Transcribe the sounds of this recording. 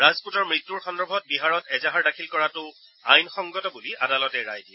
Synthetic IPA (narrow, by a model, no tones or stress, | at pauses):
ɹazputɔɹmɹitːuɹxɔndɔbʱɔt̚biɦaɹɔtɛzaɦaɹdakʰilkɔɹatʊ | a̰jnxɔŋɡɔtɔbuliʔadalɔtɛɹajdiɛ